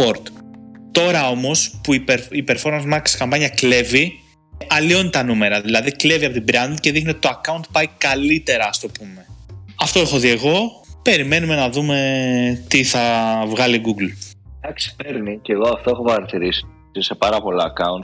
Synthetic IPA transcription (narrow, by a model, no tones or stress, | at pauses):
o̞ɾt̪t̪o̞ɾɐo̞mo̞spuipeɾipe̞ɾfo̞ɾmɐnzmɐkskɐmpɐɲɐkle̞vi | ɐlio̞nit̪ɐnume̞ɾɐðilɐðikle̞viɐpo̞t̪ibɾɐnd̪ce̞ðixnioit̪oɐkɐunt̪̚pɐikɐlit̪e̞ɾɐːst̪o̞pume̞ɐft̪oexoðieɣo̞ | pe̞ɾime̞nume̞nɐðume̞t̪iθɐvɣɐliɡuɡld̪ɐksi̥peɾniceɣo̞ɐft̪oexopɐɾɐt̪iɾisi̥ | sisepɐɾɐpo̞lɐɐkɐunt̪